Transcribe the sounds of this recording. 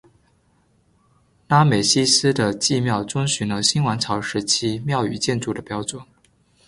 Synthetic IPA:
na˥me˨˩ɪɕi˥sɹ̩˥d̪ə˨t͡ɕi˥˧mjɑ˥˩ʊt͡sʊ˥ŋɕy˧˥nlə˧˥ɕi˥nwa˧˥nt͡sʰɑ˧˥ʊʂɻ̩˧˥t͡ɕʰi˥mjɑ˥˩ʊy̰˨˩t͡ɕjɛ˥˧nʈ͡ʂu˥˩d̪ə˩pjɑ˥ʊt͡swə˨˩˦n

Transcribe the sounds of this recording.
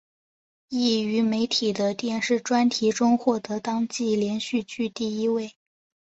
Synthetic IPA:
i˥˩y˧˥me˧˥ɪt̪ʰi˨˩d̪ə˦t̪jɛ˥˧nʂɻ̩˥˩ʈ͡ʂwa˥nt̪ʰi˧˥ʈ͡ʂʊ˥ŋxwɔ˥˩t̪ɤ˧˥t̪ɑ˥ŋt͡ɕi˥˩ljɛ˧˥nɕy˥˧t͡ɕy˥˧t̪i˥˩i˥we˥˩ɪ

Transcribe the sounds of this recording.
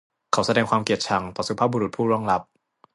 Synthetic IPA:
kʰa˦wsa˧dɛː˧ŋkʰwaː˧mki˨˩ət̪̚t͡ɕʰa˧˦ŋt̪ɔː˨˩su˧˦pʰaː˥˩bu˧ɾu˨˩t̪̚pʰuː˥˩ɾɔ˥˩ŋɾa˦˥p̚

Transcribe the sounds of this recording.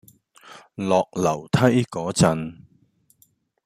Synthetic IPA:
lɔː˨k̚lɐ˨˩wt̪ʰɐ˥jkɔː˨˥t͡sɐ˧n

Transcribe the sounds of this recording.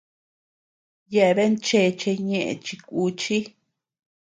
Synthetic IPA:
je˧ʔe˧βe˦nt͡ʃe˧t͡ʃe˧ɲẽ˦˧ʔḛ̃˧t͡ʃi˧kʷu˧t͡ʃi˦

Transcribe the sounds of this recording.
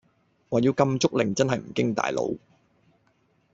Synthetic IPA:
ŋɔː˨jiː˧wkɐ˧mt͡sʊ˥k̚lɪ˨˩ŋt͡sɐ˥nɦɐ˨jm̩˨˩kɪ˥ŋt̪a̰ː˨jlo̰˨˧w

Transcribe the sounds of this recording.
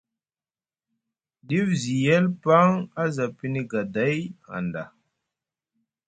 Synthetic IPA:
ɗi˦vzi˨jɛ˦lpa˦ŋa˦za˨pi˦ni˦ɡa˨da˨˦ja̰˨nda˨

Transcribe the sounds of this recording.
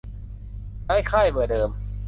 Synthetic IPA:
da˥˩jkʰaː˥˩jbɯ˨˩dɤː˧m

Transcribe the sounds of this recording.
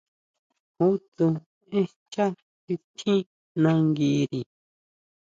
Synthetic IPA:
hu˦t̪u˧ | ĩ˦ | t͡ʃa˦ | ki˧t̪ʰĩ˦ | nã˧ŋɡi˧˦ɾi˨

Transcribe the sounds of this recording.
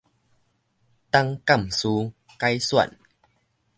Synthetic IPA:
t̪a˦ŋka˥˨msu˧ | ka˦jswa̰˥˨n

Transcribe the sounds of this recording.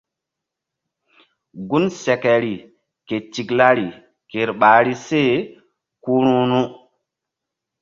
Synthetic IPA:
ɡu˦nsɛ˨kɛ˨ɾi˨ | ke˨ti˨kla˦ɾi˨ | ke˨ɾɓa˨ɾi˦se˦˨ | ku˦ɾũ˦nu˦

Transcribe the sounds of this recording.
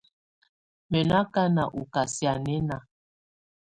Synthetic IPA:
me˨na˦ka˦na˨ʔu˨ka˨si˦a˨nɛ˦na˨

